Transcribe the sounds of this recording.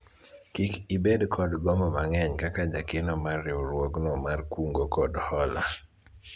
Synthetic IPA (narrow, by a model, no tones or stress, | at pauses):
kikibedkʰɔdɡɔmbɔmaŋɛɲkakad͡ʒakɪnɔmarɪɾwɔknɔmarkuŋɡokɔdhɔla̰